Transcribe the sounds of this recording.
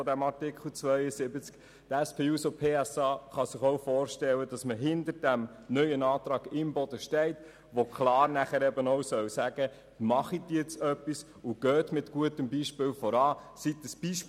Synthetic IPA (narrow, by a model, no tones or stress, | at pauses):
ɔdæmɑrtɪkχl̩t͡sʋœʏəsɪbət͡sk | t̪ɛspʰeːuːsopʰeːɛsɑːχɑsɪχowfɔːɾʃtɛlːəd̥ɑsməɦɪndəɾd̥æm | nœʏənɑːt̪ɾɑːɡ̥ɪmbɔd̥̪əʃtɛɪt | ʋokχlɑːɾnæχəɾɛbənɔwsœwsæɡ̥ə | mɑχitːɛt͡sœpːis | ʊɡ̥øːt̪mɪtɡ̥uətəmbiːʃpɪːwfɔɾɑːsit̚əsb̥iːʃ